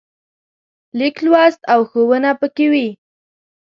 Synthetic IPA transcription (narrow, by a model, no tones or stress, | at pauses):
liklwɑst̪awxowənapəkewi